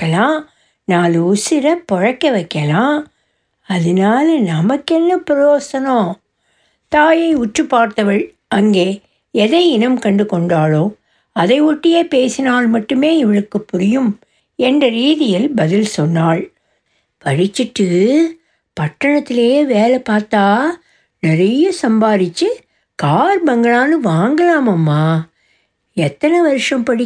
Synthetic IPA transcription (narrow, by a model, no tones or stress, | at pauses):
ɐlãː | naːlʊsɪɾɐpɔɻɐkːɐʋɐɪkːɐlãː | ɐðɪnaːlɐnɐmɐkːɛnːɐpɪɾoːsɐnõː | t̪aːjɐɪʊʈrɯpːaːɾt̪ɐʋɐɭ | ɐŋɡeː | ɛðɐɪɪnɐmkɐɳɖɯkɔɳɖaːɭoː | ɐðɐɪʊʈːɪjeːpeːsɪnaːɭmɐʈːɯmeːɪʋɐɻɯkːɯpːʊɾɪjɯm | ɛndrɐɾiːðɪjɪlbɐðɪlsɔnːaːɭ | pɐɻɪt͡ʃːɪʈːɯ | pɐʈːɐɳɐt̪ːɪleːjʋeːlɛpaːɾt̪aː | nɪɾɐjɐsɐmbaːðɪt͡ʃːɯ | kaːɾbɐŋɡɐɭaːnɯʋaːŋɡɐlaːmɐmːaː | ɛt̪ːɐnɛʋɐɾɯʂɐmpɐɽɪ